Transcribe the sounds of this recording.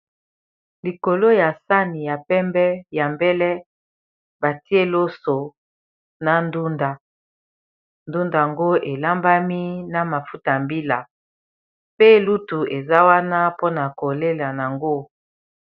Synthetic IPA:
li˨ko˨lo˦ja˨sa˦ni˨ja˨pɛ˦mbɛ˦ja˨mbɛ˦lɛ˦ | ba˨ti˦e˦lo˦so˨ | na˨ndu˦nda˨ | ndu˦nda˨a˨ŋɡo˦ʔe˨la˦mba˦mi˦na˨ma˨fu˦ta˨mbi˦la˨ | pe˦lu˦tu˨e˨za˦wa˦na˦po˦na˨ko˨le˦la˨n˨a˨ŋɡo˦

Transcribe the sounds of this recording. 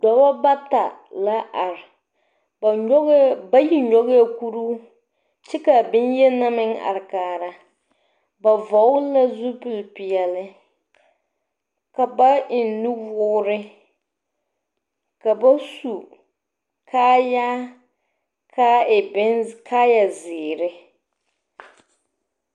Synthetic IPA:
dɔ˨ba˦ba˦ta˨la˦ʔa˨ɾɪ˨˦ | ba˦ji˦ɲɔ˦ɣɪ˦a˦ku˦ɾu˦ | t͡ʃɛ˦ka˨bɪ˦njɛ˦na˦mɪ˦ŋa̰˨ɾɪ˨kaː˨ɾa˨ | ba˨va˨˦la˦zu˦pɨ˦lpɪ˨jɛ˨lɪ˦ | ka˨ba˦ʔɪ˨nːu˦vʊː˦ɾɪ˦ | ka˨ba˦su˨ | kʰaː˦ja˦ | kʰa˦ɪ˨bnkʰaː˦ja˨zɪː˨ɾɪ˦

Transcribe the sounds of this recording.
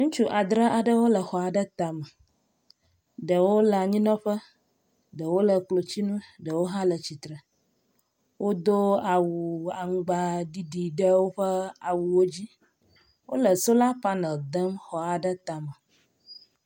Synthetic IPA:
ŋũ˦t͡ʃu˦ʔa˨d̪ɾə˦ʔa˨ɖə˦wo˦lə˨xɔ˨a˨ɖə˦t̪a˨mə˨ | ɖə˨wo˦la˨ɲĩ˦nɔ̃˦ɸə˦ | ɖə˨wo˦lə˨k͡plo˨t͡ɕi˦nũ˦ɖə˨wo˦ɦã˦lə˨t͡ɕi˨t̪ɾə˨ | wʔo˦d̪o˦a˨wu˨a˨ŋ˦ɡ͡ba˨ɖi˦ɖi˨ɖə˦wo˦ɸə˦a˨wu˨wo˦d͡ʑi˦ | wo̰˦lə˨so˦la˦pa˦nɛ˨ld̪ə˦mxɔ˨a˨ɖə˦t̪a˨mə˨

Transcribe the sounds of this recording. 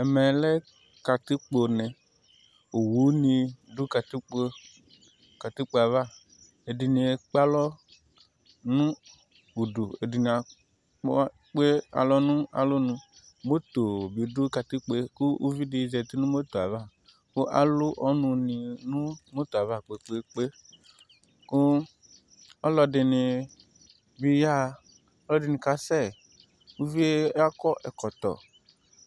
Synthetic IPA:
ɛ˨mɛ˨lɛ˦ | ka˨t̪i˦k͡po˨nɛ˨ | o˨wu˨˦nĩ˧du˦ka˨t̪i˦k͡po˦ | ka˨t̪i˦k͡pe˦a˨va˦˨ | e˨di˨nĩ˨e˨k͡pa˦lɔ˦ | nũ˦ | u˨du˨e˨di˨nĩ˨a˨ | k͡pɔ˦ | k͡pe˦a̰˨lɔ˦nũ˦a̰˨lo˦nũ˦ | mo˦t̪o˨bi˨du˦ka˨t̪i˦k͡pe˦ku˦ṵ˦vi˦di˨˦d͡ʒɛ˨t̪i˦nũ˦mo˦t̪o˨a˨va˦˨ | ko˦ʔa̰˨lʊ˦ʔɔ˦nũ˧nĩ˨nũ˦mo˦t̪o˨a˨va˦˨k͡pe˦k͡pe˦k͡pe˦ | ku˦ | ɔ˦lɔ˧dɪ˨nɪ˨ | bi˦ja˦˨ | ɔ˦lɔ˦dɪ˨nɪ̃˨ka˨˦sɛ˦˨ | u˦vi˦e˦a˦kɔ˦ʔɛ˨kɔ˨t̪ɔ̰˨

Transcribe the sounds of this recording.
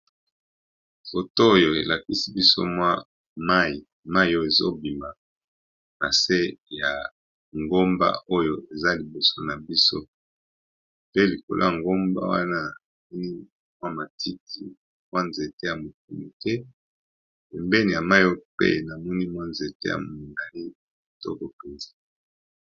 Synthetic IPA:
fo˨toː˦jo˨ḛ˨lʔa˨ki˦si˦bi˦so̰˦mwa˦ | ma˦i˨ | ma˦i˦o˦je˨zo̰˦bi˨ma˨ | na˨se˦ja˨ | ŋɡo˦mba̰˦o˦jo˦e˨za˦li˨bo˨so˦na˨bi˦so˦ | pe˦li˨ko̰˨lʔo̰˦ja˨ŋɡo˦mba̰˦wa̰˦na˦a˨mɔ˦ni˦ | mwa˦ma˨tʰi˦tʰi˦ | mwa˦nze˨te˦ja˨mo˨ku˨mi˨tɛ˦ | pɛ˨mbɛ˦ni˨ja˨ma˦i˨˦o˦pḛ˦na˨mɔ˦ni˦mwa˦nze˨tḛ˦ja̰˨u˨nda˨li˦˨ | to̰˦ko˨pɛ˨nze̥˦

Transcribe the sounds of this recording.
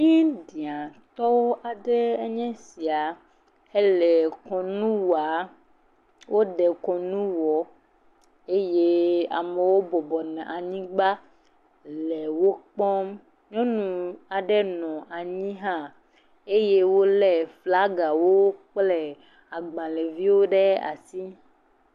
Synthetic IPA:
ɲĩ˦di˨ã˨t̪ɔ˦wo˦ʔa˨ɖɛ˦ɛ˦ɲɛ̃˦si˨a˨ | hɛ˦lɛ˨kɔ˨nũ˦wa˨ | wʔo˦ɖɛ˨kɔ˨nũ˦wɔ˨ | e˦je˦a̰˨mɛ˨wo˦bɔ˨bɔ˨nɛ̃˨ʔa˨ɲĩ˦ɡ͡ba˦ | lɛ˨wo˦k͡pɔ˦m | ɲɔ̃˦nũ˨a˨ɖɛ˦nɔ̃˨ʔa˨ɲĩ˦ɦã˦ | e˦je˦wo˦lɛ˨fla˦ɡa˨wo˦k͡plɛ˦ | a˨ɡ͡bã˨lɛ˨vi˦wo˦ɖɛ˦a̰˨si˦

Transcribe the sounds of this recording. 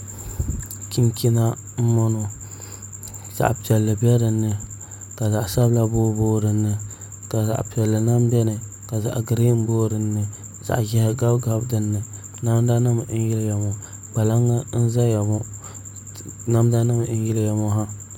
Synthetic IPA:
ki˦nkʰi˦na˦ | m̩˦mɔ˦nʊ˨ | z̥a̰˨ʔpi˨ɛ˨lːɨ˨bɛ˦ɾɨ˨nːɨ˨ | ka˨za˨ʔsa˦bla˦boː˦boː˦ɾɨ˨nːɨ˨ | ka˨za̰˨ʔpɛ˨lːɨ˨na˦mbɛ˦nɨ˨ | ka˨za̰˨ʔɡɨ˨ɾe˦m̩˦boː˦ɾɨ˨nːɨ˨ | za̰˨ʔʒɛ˦hɡa˦bɡa˦bdɨ˨nːɨ˨ | na˦n˦da˦na˦m˨˦n˦ji˦lja˨mɔ˨ | ɡ͡ba˨la˦ŋːa˦n̩˦za˦ja˨mɔ˦ | na˦mda˦na˦m˨˦n˦ji˦lja˨mɔ˦ɦa˦

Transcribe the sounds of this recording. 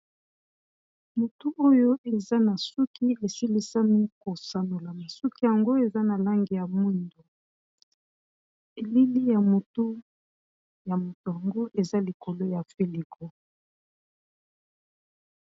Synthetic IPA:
mo˨tu˦ʔo˦jo˦ʔe˨za˦na˨su˦ki˦e˨si˦li˨sa˦mi˦ko˨sa˦no˨la˨ma˨su˦ki˦ja˨ŋɡo˦e˨za˦na˨la˦ŋɡi˨ja˨mwi˦˨ndo˨ | e˨li˦li˦ja˨mo˨tu˦ | ja˨mo˨to˨ja˨ŋɡo˦ʔe˨za˦li˨ko˨lo˦ja˨fi˦li˨ko˦

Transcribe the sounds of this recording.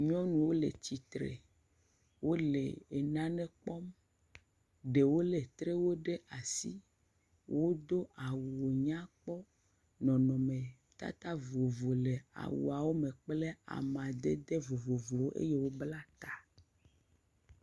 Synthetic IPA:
ɲɔ̃˦nũ˨wo˦le˨t͡ɕi˨t̪ɾḛ˨ | wo˦lɛ̰˨e˨nã˦nɛ̃˦k͡pɔ˦m | ɖe˨wo˦le˨t̪ɾe˦wo˦ɖe˦ʔa˨si˦ | wʔo˦d̪o˦ʔa˨wu˨o˨ɲã˦k͡pɔ˦ | nɔ̃˨nɔ̃˨mɛ̃˨ | t̪a̰˦t̪a˦vo˨vo˨lɛ˨a̰˨wṵ˨a˨wo˦mɛ̃˨k͡plɛ˦a̰˨mã˨d̪ɛ̰˦d̪ɛ˦vo˨vo˨vo˨wo˦ʔḛ˦je˦wo˦bla˦t̪a˨

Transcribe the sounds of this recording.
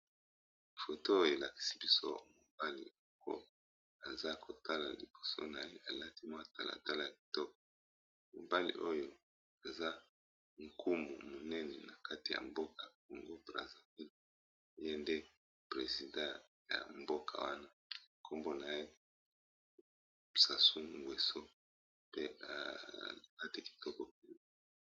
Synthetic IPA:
fo˨to˦e˨la˨ki̥˨si˦bi˦so̰˦mo˨ba˦lḭ˨mo˦ko̰˦ | a˨za˦kʰo˨ta˦la˨li˨bo̥˨so̰˦na˨je˦ʔa˨la˦ti˦mwa˦ta˨la̰˨ta˦la˨a˨i˨tɔ˦k̚ɔ˨ | mo̰˨ba˦lḭ˨ʔo˦jo˦ | a˨za˦ | ŋ̩˨ku˦mu˨mo˨nɛ˦nɛ̰˨na˨ka˦ti˨ja̰˨mbo˦ka˨k̚o˨ŋɡo˦bʁa̰˨za˨vi˦l | je˦nde˦ | pʁe˨zi˨dã˦ | ja̰˨mbo˦kʰa̰˨wa˦na˦kʰo˦mbo˦na˨je˦ | sa˨su˦ŋɡwe˨so˦ | pe˦a˨ | la˦ti˦ki̥˨tɔ˦kɔ˨pi˦

